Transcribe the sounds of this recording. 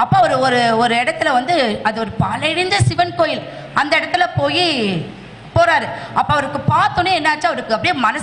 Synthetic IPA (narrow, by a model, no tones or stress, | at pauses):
ɐpːoɐɐɾɯɔɾɯɔɾɯɛɽɐt̪ːɯlɐʋɐnd̪ɯɐðɯɔɾɯpɐːlɐɪɽɪnd̪ɐsɪʋɐnkoːjɪl | ɐnd̪ɐɪɽɐt̪ːɪlɐpoːji | poːɾaːɾɯɐpːoːɐʋɐɾɯkːɯpaːɾt̪onːeɛnːɐːt͡ʃːɯɐʋɐɾɯkːɯɐpːɐɽɪjemɐnɐ